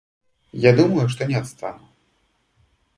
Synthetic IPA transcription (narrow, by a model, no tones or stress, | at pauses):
jad̪umɐjuʂt̪ɔnʲɛat̪st̪anu